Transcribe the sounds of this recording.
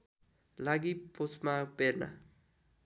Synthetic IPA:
laɡipot͡smaperna̰

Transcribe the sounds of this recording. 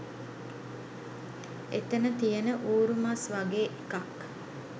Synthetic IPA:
et̪enət̪ijənəʔuːɾumasʋaɡeːʔekak

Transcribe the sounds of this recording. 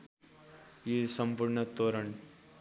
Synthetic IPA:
jisəmpuɾɳət̪oɾəɳ

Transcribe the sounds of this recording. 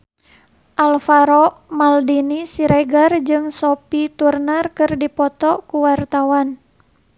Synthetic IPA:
ʔalfaɾɔmaldinisiɾɛɡard͡ʒɨŋsopit̪urnərkɨrdipɔt̪ɔkuwart̪awan

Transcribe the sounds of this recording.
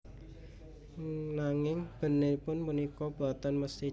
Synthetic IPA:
naŋɪŋb̥ə̤nɪpʊnpunikɔb̥a̤t̪anməst̪i

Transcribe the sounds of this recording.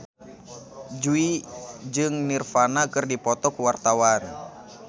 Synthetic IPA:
d͡ʒuid͡ʒɨŋnirfanakɨrdipɔt̪ɔkuwart̪awan

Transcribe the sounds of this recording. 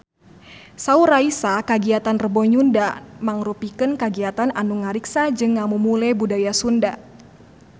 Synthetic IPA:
sauɾaisakaɡiat̪anrəbɔɲundamaŋɾupikənkaɡiat̪ananuŋaɾiksad͡ʒɨŋːamumulɛbudajasunda

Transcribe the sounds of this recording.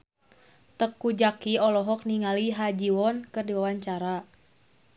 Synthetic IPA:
t̪əkːud͡ʒakiɔlɔɦɔk̚niŋaliɦad͡ʒiwɔnkɨrdiwawaɲt͡ʃaɾa

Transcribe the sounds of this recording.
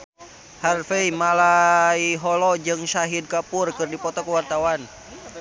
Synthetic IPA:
harfeimalaiɦɔlɔd͡ʒɨŋsaɦid̚kapʊrkɨrdipɔt̪ɔkuwart̪awan

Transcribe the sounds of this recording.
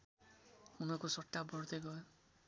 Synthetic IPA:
unɔkusɔʈːabɔɽt̪eɡɔe

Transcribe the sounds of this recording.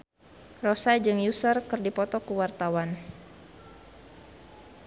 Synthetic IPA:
rɔsad͡ʒɨŋjusərkɨrdipɔt̪ɔkuwart̪awan

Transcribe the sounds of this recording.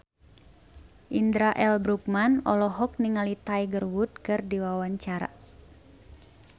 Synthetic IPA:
ʔind̪ɾaʔɛlbɾuk̚manɔlɔɦɔk̚niŋalit̪ajɡərwut̪̚kɨrdiwawaɲt͡ʃaɾa̰

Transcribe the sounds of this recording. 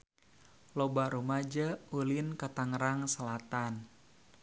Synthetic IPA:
lobaɾumad͡ʒaulinkat̪aŋɾaŋsəlat̪an

